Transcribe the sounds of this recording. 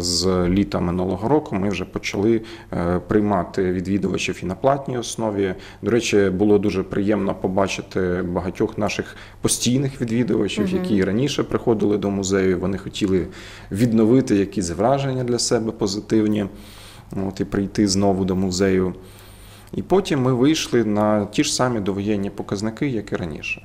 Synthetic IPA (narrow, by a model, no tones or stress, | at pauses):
zlʲit̪ɐmɪnulˠɔɦɔɾɔkʊmɪwʒɛpɔt͡ʃɐlˠɪ | pɾɪjmɑt̪ɪʋʲid̪ʋʲid̪ʊʋɐt͡ʃiwinɐplˠɑtʲnʲijɔsnɔʋʲi | d̪ɔɾɛt͡ʃʲɪbʊlˠɔd̪uʒɛpɾɪjɛmnɔpɔbɑt͡ʃɪt̪ɪbɐɦɐtʲɔxnɑʃɪx | pɔsʲtʲijnɪxʋʲid̪ʋʲid̪ʊʋɐ̰t͡ʃʲiwjɐkʲiɾɐnʲiʃɛpɾɪxɔd̪ɪlˠɪd̪ɔmʊzɛjʊʋɔnɪxɔtʲilˠɪ | ʋʲid̪nɔʋɪt̪ɪjɐkizʲʋɾɑʒenʲːɐd̪lʲɐsɛbɛpɔzɪt̪ɪwnʲi | ot̪ipɾɪjt̪ɪznɔʋʊd̪ɔmʊzɛjʊ | ipɔtʲimːɪʋɪjʃlˠɪnɐtʲiʐ̥sɑmʲid̪ɔʋɔjɛnʲːipɔkɐznɪkɪjɐkɪɾɐnʲḭʃɛ̥